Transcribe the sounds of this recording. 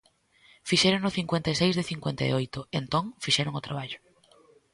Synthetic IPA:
fiʃɛɾonʊθiŋkwẽnt̪ajsejzðɪθiŋkwent̪a̰ḛojt̪ʊent̪õŋfiʃɛɾʊŋʊt̪ɾaβaʎʊ

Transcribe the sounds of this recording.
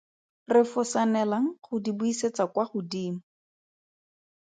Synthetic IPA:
rɪfʊsanɛlaŋ̩χʊdibuiset͡sakwaχʊdiːmʊ

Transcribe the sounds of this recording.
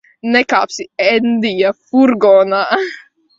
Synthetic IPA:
nɛkapsiɛnd̪ijafuɾɡɔna

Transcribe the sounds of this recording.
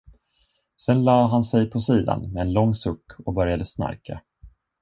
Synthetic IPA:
sɛnlɑːɦansɛjpʰɔsiːd̪a̰nmɛɛnlɔŋːsɵkːɔbœɾjad̪əsna̰ɾkʰa̰

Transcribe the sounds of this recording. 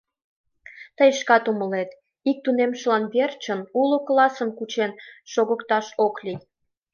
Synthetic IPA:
t̪əjʃkɑt̪uməlet̪ | ik̚t̪unemʃlɑnβert͡ɕənuloklɑsəmkut͡ɕenʃoɣəkt̪ɑʃoklʲij

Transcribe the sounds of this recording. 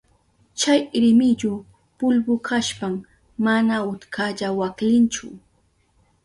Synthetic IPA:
t͡ʃajɾɪmɪʎʊ | pʊlbʊkʰaʃpam | manaʊt̪kʰaʎawaklɪnt͡ʃʊ̰

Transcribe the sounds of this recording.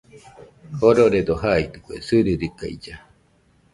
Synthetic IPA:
hoɾoɾed̪oɦait̪ɯkʷesɨɾɯɾika̰id͡ʒa

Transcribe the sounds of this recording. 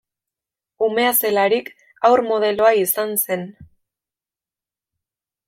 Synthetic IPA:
ume̞ase̞laɾik | awɾmo̞ð̞e̞lo̞aisanse̞n

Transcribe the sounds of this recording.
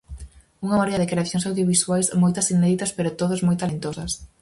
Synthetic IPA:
uŋamaɾeʎaðɪkɾeaθjõŋsawðjoβiswajsmojt̪ɐsineðit̪ɐspeɾot̪oðʊzmojt̪alent̪osɐs

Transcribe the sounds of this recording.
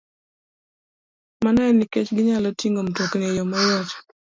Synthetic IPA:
manɛniket͡ʃɡɪɲalɔtiŋɡomtoknejɔmɔjɔt͡ʃ

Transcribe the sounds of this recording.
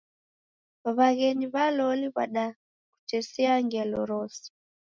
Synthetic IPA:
βaɣɛniβalɔliβa̰ɗa | kut͡ʃɛsɛaŋɡɛlɔ̰ɾɔsi̥

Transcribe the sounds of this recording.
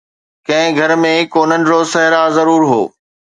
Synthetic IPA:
kɐ̃ɦɪ̃ɡʱɐɾmẽkoːnənɪ̆ɾosɐɦɪɾazɐɾuːɾɦo̰ː

